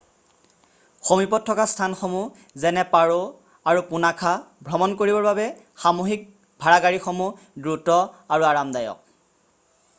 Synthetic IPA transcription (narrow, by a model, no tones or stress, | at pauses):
xomipɔtʰːɔkastʰanxomu | zɛnɛpaɹo | aɹupunakʰabʱɹɔmɔnkoɹibɔɹbabɛ | xamoɦik̚ | bʱaɹaɡaɹixomu | dɹutɔaɹuaɹamdajɔ̰k̚